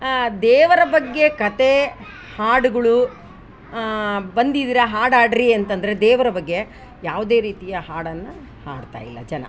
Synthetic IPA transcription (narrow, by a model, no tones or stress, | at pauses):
d̪ɛːʋɐɾɐbɐɡːe̞kɐt̪e | haːɽuɡɐɭu | bɐnd̪id̪iːɾɐɦaːɽaːɖɾiɐnt̪ɐnd̪ɐɾe̞d̪ɛːʋɐɾɐbɐɡːe̞ | jaːʋud̪e̞ːɾiːt̪ijɐhaːɽɐnːu | ha̰ːɽt̪a̰ːjilːɐ̰d͡ʒɐnɐ̰